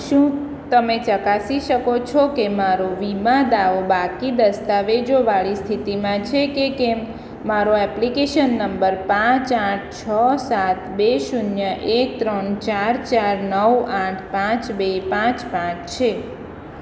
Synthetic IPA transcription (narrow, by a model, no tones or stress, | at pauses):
ʃũ | t̪əmet͡ʃəkasiʃəkot͡ʃʰokemaɾoʋimãd̪aobakid̪əst̪aʋed͡ʒoʋaɭist̪ʰit̪imãt͡ʃʰekekemː | aɾoɛplikeʃənːəmbəɾpãt͡ʃaʈʰt͡ʃʰəsat̪beʃunjəʔek̚t̪ɾəɳt͡ʃaɾt͡ʃaɾnəwaʈʰpãt͡ʃbepãt͡ʃpãt͡ʃt͡ʃʰe